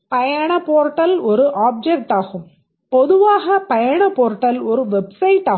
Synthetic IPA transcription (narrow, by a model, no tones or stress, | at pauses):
pɐjɐɳɐpoːɾʈːɐlɔɾɯʔaːp̚d͡ʒɛk̚ʈaːɣɯm | pɔðɯʋaːɣɐpɐjɐɳɐpoːɾʈːɐlɔɾɯʋɛbsɐɪʈaː